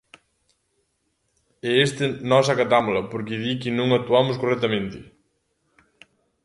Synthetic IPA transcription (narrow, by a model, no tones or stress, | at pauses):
ɛest̪ɪnɔs̬ɐkat̪amlɐpoɾkɪðikɪnõŋat̪ːuamʊskorɛt̪amẽnt̪ɪ